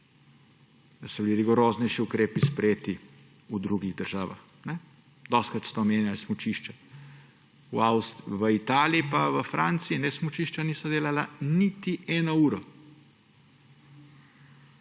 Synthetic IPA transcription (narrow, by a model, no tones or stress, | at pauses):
d̪asɔbiliɾiɡɔɾoːznɛjʃiukɾeːpispɾɛjeːt̪i | ud̪ɾuɡiɣd̪əɾʒaːʋa̰x | nɛ | d̪ɔst̪kɾat̪st̪ɔːmeːnjalismut͡ʃiʃt͡ʃa | uawst̪ʋəit̪aːliipaʋəfɾʔant̪siinɛsmut͡ʃiːʃt͡ʃaniːsɔd̪eːlalanit̪iʔɛːnɔuːɾɔ